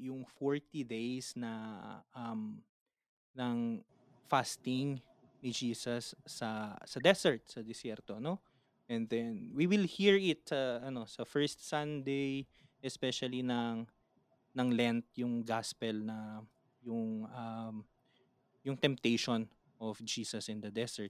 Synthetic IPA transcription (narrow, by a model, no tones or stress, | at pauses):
jʊŋfoɹt̪id̪ejsnɐʔɐm | nɐŋ | fast̪ɪŋ | nɪd͡ʒiːsɐsːɐsɐd̪ɛsɛɹt̪̚sɐd̪ɛsɛɾt̪ono | ʔɛ̃nd̪ɛnwiwɪlhiɹɪt̪̚sɐʔɐno̞sɐfɛɹst̪̚sɐnd̪ejʔɛspɛʃɐlinɐŋ | nɐŋlɛnt̪̚jʊŋɡaspɛlnɐ | jʊŋʔɐm | jʊŋt̪ɛ̃mp̚t̪ejʃon | ʔɔfd͡ʒiːsɐsɪ̃nd̪ɐd̪ɛsɛɹt̪̚